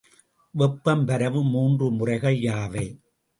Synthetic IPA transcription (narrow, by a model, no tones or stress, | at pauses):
ʋɔpːɐmpɐɾɐʋɯmuːndrɯmʊrɐɪɣɐɪːaːʋɐɪ